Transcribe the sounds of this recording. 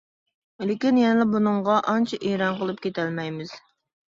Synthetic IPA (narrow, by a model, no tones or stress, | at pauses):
lɪkʲinjɛnɪlɪbunɨŋʁɑʔɑnt͡ʃʰɛʔeɾɑnqəlˠɨp̚kʲʰet̪ælmɛjmɪz̥